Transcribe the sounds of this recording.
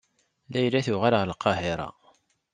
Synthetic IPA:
læjlæθʊʁalʁɾəlqɑɦɪɾˤɑ̰

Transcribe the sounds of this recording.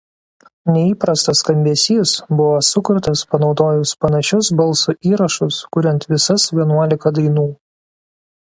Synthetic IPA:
nʲɛiːpɾɐst̪ɐskɐmʲbʲiɛsʲiːsbʊʋosʊkʊɾt̪ɐspɐnɒʊd̪oːjʊspɐnɐʃʲʊsbɐlˠˑsuʔiːɾɐʃʊskʊɾʲɛnʲt̪ʋʲɪsɐsʋʲiɛnuɔlʲɪkɐd̪ɐɪnuː

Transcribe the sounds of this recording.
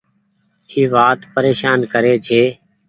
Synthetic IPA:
iːʋaːt̪pəɾeːʃaːnkəɾeːt͡ʃʰeː

